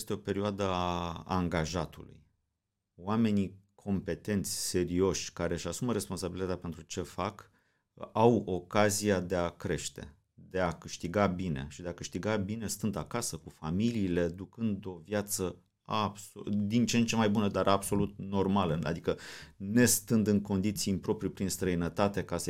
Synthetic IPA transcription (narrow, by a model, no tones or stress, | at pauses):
st̪eo̞pe̞ɾioad̪əa̰ŋɡaʒat̪ṵlṵj | wame̞nikʰo̞mpe̞t̪e̞nt̪sʲse̞ɾio̞ʃʲkaɾeɨʃasuməɾe̞sponsabilit̪at̪ʲape̞nt̪ɾut͡ʃe̞fak | awo̞kaziad̪e̞akɾe̞ʃt̪e̞̰ | d̪e̞akɨʃt̪iɡabine̞̰ʃid̪e̞akɨʃt̪iɡabine̞st̪ɨnd̪a̰kasəkufamiliːle̞d̪ukɨnd̪o̞vjat̪sə | absod̪int͡ʃent͡ʃe̞majbunəd̪aɾʔabso̞lut̪̚no̞rmaləa̰d̪ikəne̞st̪ɨnd̪ɨŋko̞nd̪it̪simpɾo̞pɾipɾinst̪ɾəinət̪at̪e̞kas